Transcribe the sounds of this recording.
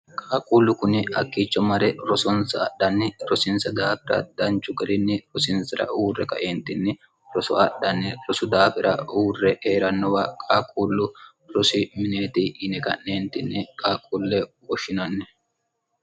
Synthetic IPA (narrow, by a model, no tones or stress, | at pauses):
kʼaːkʼuːlːʊkʊnɪɐ̰kːiːt͡ʃːɔmɐɾɛɾɔsɔnsɐːɗːɐnːɪɾɔsɪnsɐd̪aːfɪɾɐ̰d̪ɐnt͡ʃːʊɡɐɾɪnːɪɾɔsɪnsɪɾɐ̰ʔuːrɛkɐ̰ʔeːnt̪ɪnːɪ | ɾɔsɔ̰ɐɗːɐnːɪɾɔsʊd̪aːfɪɾɐ̰uːrːɛeːɾɐnːɔwɐkʼaːkʼuːlːʊ | ɾɔsɪmɪneːt̪iːʔːnɛkɐ̰nːeːnt̪ɪnːɪkʼaːkʼuːlːɛ | wɔʃɪnɐnːɛ